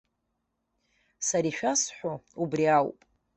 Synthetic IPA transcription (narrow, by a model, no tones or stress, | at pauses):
saɾiʃᶣasħʷoubriawpʼ